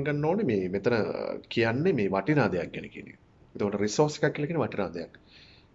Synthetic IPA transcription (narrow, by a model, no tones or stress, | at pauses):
ŋɡanːoːnemeːmet̪ɐnəkijanːemeːʋaʈinaːd̪ɐjak̚ɡɛnḛkiə̰nːḛ | et̪omɐʈəɾisoːɾse̥kakːilakiːneʋɐʈinaːd̪əjakː